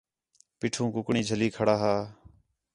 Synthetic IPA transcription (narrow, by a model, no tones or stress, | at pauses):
piːʈʰũːkʊkɳiːd͡ʒʱəliːkʰəɽaːɦaː